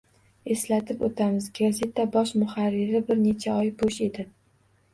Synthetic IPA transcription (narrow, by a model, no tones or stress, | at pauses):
e̞slat̪ʰɪpot̪ʰamɪzɡaze̞t̪ʰabɒʃmʊχaɾːɪɾɪbɪɾne̞t͡ʃʰaɒjboʃe̞d̪ɪ